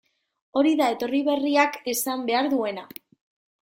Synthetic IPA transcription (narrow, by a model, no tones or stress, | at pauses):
o̞ɾiðae̞t̪o̞riβ̞e̞riake̞sambe̞aɾðue̞na